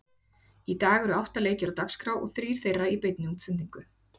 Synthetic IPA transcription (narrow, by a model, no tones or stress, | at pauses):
it̪aːɣɛɾʏawht̪aleːjcɪɾawt̪akskɾaːwʔɔ̰ɣθɾiːɾ̥θejrːaipejt̪̚nʏuːt̪sɛnt̪iŋkʏ